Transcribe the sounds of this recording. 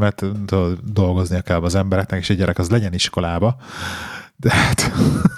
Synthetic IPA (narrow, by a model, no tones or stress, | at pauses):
mɛt̪t̪od̪od̪d̪o̞lɡo̞znijɒkɛlmɒzɛmbɛɾɛknɛkeːʃɛɟɛɾʔɛkɒzlɛɟɛniʃko̞laːbɒ | d̪ɛhat̪